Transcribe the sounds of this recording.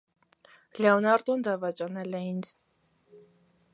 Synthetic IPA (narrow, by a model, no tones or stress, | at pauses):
lɛɔnɑɾd̪ɔmd̪ɑvɑt͡ʃʼɑnɛlɛint͡s